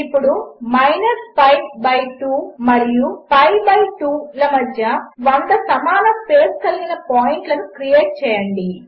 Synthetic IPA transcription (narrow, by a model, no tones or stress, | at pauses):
ipːuɽumɐjnɐɾspɐjʋbɐjʈuːmɐɾijupɐjbɐjʈuːlɐmɐd̪ʱjɐʋɐnd̪ɐsɐmaːnɐmpeːskɐlɡinɐpoːjiɳʈlɐnukɾije̞ːʈ̚t͡ʃɛːjɐɳɖi